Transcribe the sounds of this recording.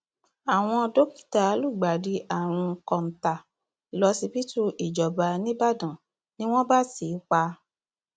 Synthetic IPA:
a˨w̃ɔ̃˧do˦ki̥˦˨ta˨˦lu˦˨ɡ͡ba˨di˧˦ʔa˦˨w̃ɔ̃˧˦˧kɔ̃˨n̩˨ta˨ | lɔ˧˦si˧pi˦tu˦ʔi˨d͡ʒɔ˨ba˧nĩ˦ba˦˨dã˨ | nĩ˦w̃ɔ̃˦ba˦si˨˦k͡pa˧

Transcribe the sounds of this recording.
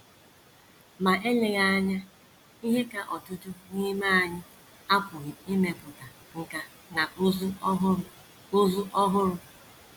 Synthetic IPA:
ma˨ʔe˦le˨ɣa˦a˦ɲa˦ | i˦ɦe˦ka˨ʔɔ˨tʊ˦tʊ˦ŋi˦ma˦a˨ɲɪ˦ | a˦pʊ˨ɣɪ˨i˦me˨pʊ˨ta˨ | ŋ̩˨ka˦ | na˨˦zɦ | ʊ˦zʊ˦ʔɔ˦ɦʊ˦ɾʊ˦

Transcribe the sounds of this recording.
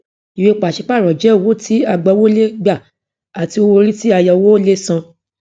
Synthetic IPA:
i˨we˧˦k͡pa˨ʃi˨˧˦k͡pa˦˨ɾɔ˨d͡ʒɛ˨˦˨wo˦ti˦a˧ɡ͡bɔ˧˦wo˦le˦ɡ͡ba˦˨ | a˨ti˨˧o˧wo˧ɾi˦ti˦a˧ja˧wo˦le˦sã˧

